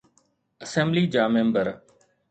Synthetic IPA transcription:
əsɛ̃mbliːd͡ʒaːmẽːmbəɾ

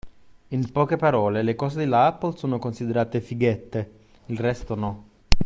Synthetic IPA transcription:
inpɔːkepaɾɔːlelekɔːzed̪ilaapːolsoːnokonsid̪eɾaːt̪efiɡɛt̪ːe | ilrɛst̪onɔ

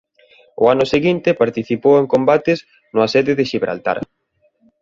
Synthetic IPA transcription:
ʊ̰anʊseɣint̪ɪpaɾt̪iθipoweŋkombat̪ɪs | nʊasɛðɪðɪʃiβɾa̰lt̪a̰ɾ

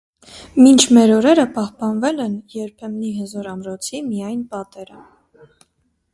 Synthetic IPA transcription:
mint͡ʃʰmɛɾɔɾɛɾəpɑhpɑnvɛlɛnjɛɾpʰɛmniɦəzɔɾɑmɾɔt͡sʰimijɑjnpɑt̪ɛɾə

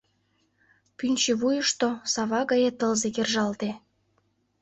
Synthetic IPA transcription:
pynʲt͡ɕeβujəʃt̪osɑβɑɣɑjet̪əlzekerʒɑlt̪e

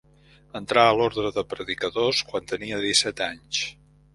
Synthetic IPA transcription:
ənt̪ɾaəloɾðɾəðəpɾəðikəðoskwant̪əniəðisɛt̪aɲs

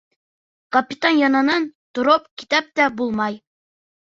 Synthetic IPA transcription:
kɐpʲɪt̪anjɑnɑnɑnt̪ŏɾop̚ki̥t̪æp̚t̪æbulˠmɑj

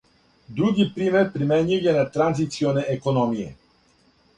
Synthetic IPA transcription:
d̪ɾuɡipɾimeɾpɾimɛɲujɛnat̪ɾanzit̪sionɛʔekonomijɛ̰

